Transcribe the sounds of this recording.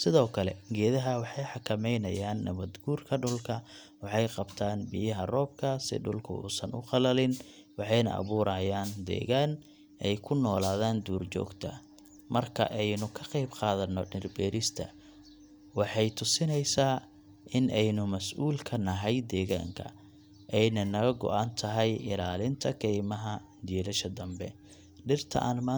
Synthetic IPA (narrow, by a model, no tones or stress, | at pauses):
sɪðɔːkʰɐlɛ̰ɡɛːðɐɦɐwɑħɑjħɑkʰɐmɛjnɐjaːnːɐ̰βɐd̪ɡuːrkʰɐɖʊlkʰɐ | wɑħɑjqɑbt̪ʰaːnbɪjɐɦɐrɔːb̚kʰɐsɪ̰ɖʊlkʰʊ̰ṵːsɐnʊ̰qɑlɐlɪn | wɑħɑjnɐ̰ʔɐ̰βuːɾʔɐːjaːnd̪ɛ̰ːɣaːn | ʔɛjkʰʊnɔːlaːðaːnd̪uːrt͡ʃɔ̰ːɡt̪ʰɐ̰ | mɐrkʰɐ̰ʔɛjnʊkʰɐqɑjbqɑːðɐnːɔɖɪrbɛːɾɪst̪ʰɐ̰ | wɑħɑjt̪ʰʊsɪnɛjsaː | ʔɪnɛjnʊmɐsʔuːlkʰɐnɐɦɛjd̪ɛːɣa̰ːŋkʰɐ̰ | ʔɛjnɐnɐɣɐɡɔ̰ʔant̪ʰɐɦɛjɪlaːlɪnt̪ʰɐkʰɛjmɐɦɐ | d͡ʒ̪ɛːlɐʃɐd̪ɐmbɛ̰ | ɖɪrt̪ʰɐ̰ʔa̰ːnmaː